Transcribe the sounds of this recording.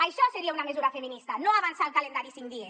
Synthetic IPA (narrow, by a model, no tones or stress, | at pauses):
ajʃɔseɾiaunamezuɾafeminist̪anoaβansalˠkalend̪aɾisiŋd̪ies